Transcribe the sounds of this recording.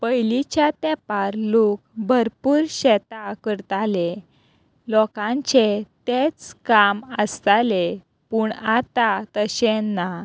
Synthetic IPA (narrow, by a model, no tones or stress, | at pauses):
pəjlit͡ɕjat̪ɛpaɾlok̚bʱəɾpuːɾɕɛt̪akəɾt̪ale | lɔkãɲt͡ɕet̪et͡skaməst̪ale | puːɳat̪at̪əɕenːa